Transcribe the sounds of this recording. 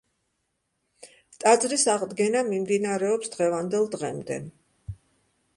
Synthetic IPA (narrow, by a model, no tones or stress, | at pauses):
t̪ʼad̪zɾisaʁd̪ɡɛnamimd̪inaɾɛɔpsd̪ʁɛvand̪ɛlˠd̪ʁɛmd̪ɛ̰